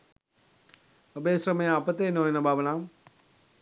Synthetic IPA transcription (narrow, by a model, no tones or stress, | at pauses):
əbeːsɾəməjapət̪eːnoːjenəbʱaːʋənaːm